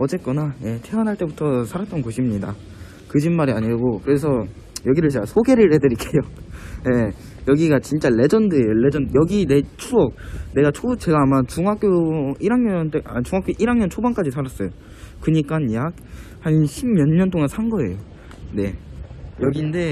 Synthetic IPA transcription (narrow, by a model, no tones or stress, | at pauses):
ʌd͡ʑe̞k͈ʌnaje̞tʰe̞wʌnɦaɭt͈e̞butʰʌsʰaɾat͈̚ʌnkoɕʰimɲida̰ | kɯd͡ʑimmaɾiaɲiɡokɯɾe̞s̬ʰʌ | jʌɡiɾɯɭt͡ɕeɡasʰoɡe̞ɾɯɭhe̞dɯɾik͈ejoje̞ | jʌɡiɡat͡ɕint͡ɕ͈aɭe̞d͡ʑʌndɯejoe̞d͡ʑʌnjʌɡine̞t͡ɕʰuʌk̚ne̞ɡat͡ɕʰot͡ɕe̞ɡaːmat͡ɕuŋɦak͈joiɾaŋɲʌnteat͡ɕuŋɦak͈joʔiɾaŋɲʌnt͡ɕʰobʌnk͈ad͡ʑisʰaɾas͈ʌjo | kɯɲik͈anjak̚hainɕʰimjʌnɲʌnt͈oŋansʰanɡʌe̞̰jo | ne̞jʌɡinde̞